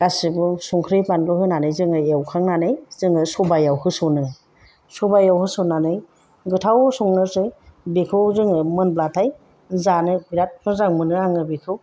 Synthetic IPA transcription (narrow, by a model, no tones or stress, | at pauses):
ɡasibɯsuŋkʰɾɯjpanbɯhɯnanɯjzɯŋɯewkʰaŋnanɯjz̥ɯŋɯsɔbajawhɯsɔnɯ | sɔbajawhɯsɔnanɯj | ɡɯtʰawsuŋnɯsɯjbekʰɯwzɯŋɯmɯnblatʰaj | zanɯbiɾat̚kʰɯzaŋmɯnɯaŋɯbikʰɯw